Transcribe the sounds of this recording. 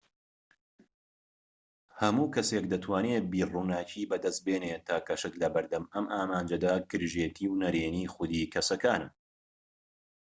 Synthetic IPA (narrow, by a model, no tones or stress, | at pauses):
hɐmuːkʰɐsekd̪ɐt̪ʰwaːnebiːruːnaːcʰiːbɐd̪ɐst̪̚beːneːt̪ʰaːkɐʃɨt̪lɐbɨɾd̪ɐmɐmʔaːmaːnd͡ʒɐd̪akʰɨɾʒeːt̪ʰiːwnɐɾeːniːxʊd̪iːkʰɐsɐkaːnɨm